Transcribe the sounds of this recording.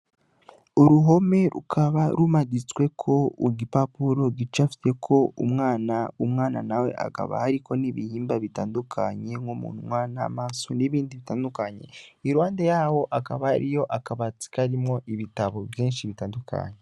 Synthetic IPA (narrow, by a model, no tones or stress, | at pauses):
uɾuɦo̞me̞ɾṵkʰaβaɾumaɟit͡swe̞kʰo̞uɡipapuɾo̞ɡit͡ʃafi̥te̞kʰo̞umŋaːnaumŋaːna̰nawe̞̰ʔa̰ka̰βa̰haɾikʰo̞niβihiːmbaβitaːndukʰaɲe̞ŋomṵːnhumŋwaːna̰maːsoniβiːndiβitaːndukaɲe̞̰iɾwaːnde̞jaːwo̞ʔakaβaha̰ɾijo̞ʔakaβat͡si̥kaɾimŋo̞ʔiβitaβo̞βjiːnʃiβitaːndukʰa̰ɲe